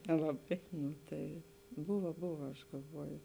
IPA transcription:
nʲɛlˠɐˈbɐɪ ˈnʊ ˈtɐɪ ˈbʊʋɐ ˈbʊʋɐ ɐʃ ɡɐlˠˈʋuɔjʊ

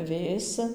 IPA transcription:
ˈʋʲeːsʲɪ

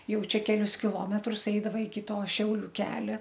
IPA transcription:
ˈjɛʊ ˈt͡ʃʲɛ kʲɛˈlʲʊs kʲɪˈlˠoːmʲɛtrʊs ˈɛɪdɐʋɐ ɪkʲɪ toː ˈʃʲɛʊlʲʊ ˈkʲæːlʲɛ

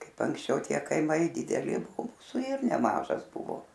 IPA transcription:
ˈkɐɪp ɐŋksʲˈt͡ʃʲɛʊ ˈtʲiɛ kɐɪˈmɐɪ dʲɪdʲɛˈlʲɪ ˈmʊsʊ ɪr nʲɛˈmɑːʒɐs ˈbʊʋoː

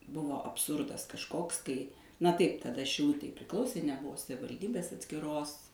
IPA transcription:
ˈbʊʋoː ɐpˈsʊrdɐs kɐʃˈkoːks kɐɪ nɐ ˈtɐɪp tɐˈdɐ ʃʲɪˈlˠʊtʲɛɪ pʲrʲɪˈklˠɐʊsʲeː nʲɛˈbʊʋoː sɐʋʲɪʋɐlʲˈdʲiːbʲeːs ɐtʲsʲkʲɪˈroːs

